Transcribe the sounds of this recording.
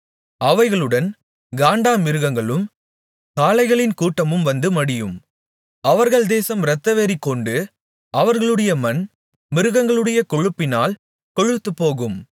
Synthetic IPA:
ɐʋɐɪɣɐɭɯɽɐn | ɡaːɳɖaːmɪɾɯɣɐŋɡɐɭɯm | kaːlɐɪɣɐɭɪnkuːʈːɐmɯmʋɐnd̪ɯmɐɽɪjɯm | ɐʋɐɾɣɐɭd̪eːsɐmɾɐt̪ːɐʋeːɾikːɔɳɖɯ | ʔɐʋɐɾɣɐɭɯɽɐjɐmɐn | mɪɾɯɣɐŋɡɐɭɯɽɐjɐkɔɻɯpːɪnaːl | kɔɻɯt̪ːɯpːoːɣɯm

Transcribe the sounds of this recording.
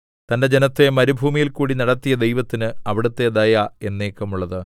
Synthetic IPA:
t̪ɐnde̞d͡ʑe̞nɐt̪ːe̞mɐɾubʱuːmijilkuːɽinɐɽɐt̪ːijɐd̪e̞jʋɐt̪ːinɨɐʋiɽut̪ːe̞d̪ɐjae̞nːeːkːɐmuɭːɐðɨ

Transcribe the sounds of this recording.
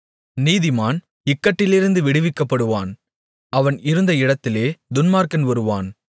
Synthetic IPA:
niːðɪmaːn | ɪkːɐʈːɪlɪɾɯnd̪ɯʋɪɽɪʋɪkːɐpːɐɽɯʋaːn | ɐʋɐnɪɾɯnd̪ɐɪɽɐt̪ːɪleːd̪ʊnmaːɾkɐnʋɐɾɯʋaːn

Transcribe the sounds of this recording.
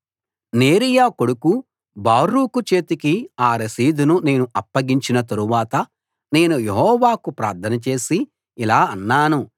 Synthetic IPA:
ne̞ːɾijaːko̞ɽuku | baːɾuːkut͡ʃe̞ːt̪ikiaːɾɐsiːd̪unune̞ːnuʔɐpːɐɡiɲt͡ʃinɐt̪̬ɐɾuʋaːt̪ɐ | ne̞ːnujeɦɔːʋaːkupɾa̰ːɾt̪ʰɐnɐt͡ʃe̞ːsiː | laːɐnːaːnu

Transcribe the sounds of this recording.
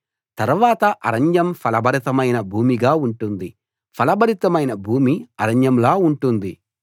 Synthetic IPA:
t̪ɐɾuʋaːt̪ɐʔɐ̰ɾɐɲd͡ʒɐmpʰɐlɐbʱɐɾit̪ɐmɐjnɐbʱuːmiɡaːuɳʈund̪i | pʰɐlɐbʱɐɾit̪ɐmɐjnɐbʱuːmiɐɾɐɲd͡ʒɐmlaːuɳʈund̪i

